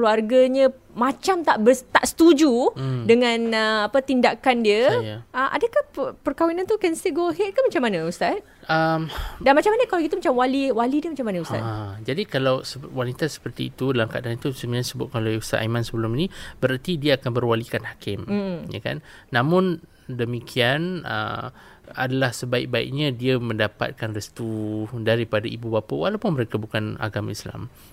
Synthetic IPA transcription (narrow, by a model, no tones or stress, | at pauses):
kluarɡaɲə̃ | mãt͡ʃamt̪aʔbət̪a̰ʔsə̥t̪ud͡ʒudəŋãnəapat̪indakandiəjəmʔa̰dəkahpəpərkawinant̪ukɛnsiɡoɦɛt̪̚kahmat͡ʃamanəust̪at̪̚ | əmdanmat͡ʃamanəkalawkit̪umat͡ʃamwaliwalidiəmat͡ʃamanəust̪a̰t̪d͡ʒadikalawsəwanit̪asə̥pərt̪ḭːt̪udəlaŋkadanit̪usəmilansəbʊt̪̚kalawjust̪at̪aimansəbəlʊminib̥əɾart̪idiaːkanbərwalikanhakɪm̩ja̰ka̰nːãmʊn | dəmĩkʰianʔə̰ | a̰dalahsəbaɪ̰k̚baḭk̚ɲãdiamə̃ndapa̰t̪̚kanrəst̪udaɾipadaibubapawalawpʊnməɾekabukana̰ɡamaisla̰m